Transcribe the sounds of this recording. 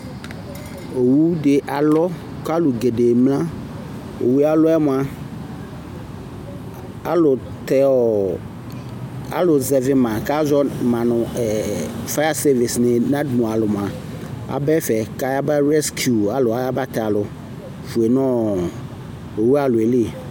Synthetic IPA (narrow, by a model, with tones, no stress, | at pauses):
o˨wu˦ɖe˨ʔa˨lɔ˦ | ka˦lu˨ɡe˨ɖe˨mlã˦ | o̰˨wu˦a˦lʊ˦ɛ˦m̃˨a˨ | a˦lʊ˨ | t̪ɛ˦ɔ˨ | a̰˦lʊ˨zɛ˨vɪ˦mã˨ka˦zɔ˦mã˨nʊ̃˨ɛ˨fa˦a˦se˦vi˨snẽ˨nã˦dmũ˨a˨lʊ˨m˨a˨ | a̰˨bɛ˦fɛ˨ka˦ja˦ba˦ɾɛ˦skju˨a˨lo˨a˨ja˦ba˦t̪ɛ˨a˨lʊ˨ | fu˨e˨nɔ̃˦ | o˨wu˦a˨lʊ˨e˨le˦˨